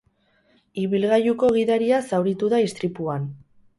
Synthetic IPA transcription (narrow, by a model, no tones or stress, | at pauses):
iβilɣajuko̞ɣ̞iðaɾiasawɾit̪uðaist̪ɾipuan